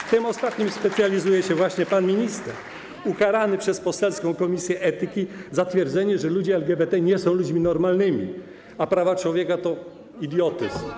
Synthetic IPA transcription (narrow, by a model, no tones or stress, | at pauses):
ft̪ɘmɔst̪at̪ɲimspɛt̪sʲjalʲizujɛɕɛvwaɕɲɛpanmʲiɲist̪ɛɾ | ukaɾanɘpʂɛspɔsɛlskɔ̃w̃kɔmʲisʲjɛʔɛt̪ɘkʲizat̪fʲjɛɾd̪zɛɲɛʐɛlud͡ʑɛɛlɡʲɛbɛt̪ɛɲɛsɔ̃w̃lud͡ʑmʲinɔɾmalnɘmʲḭ | apɾavat͡ʂwɔvʲjɛkat̪ɔ | id̪jɔt̪ɘ̰sm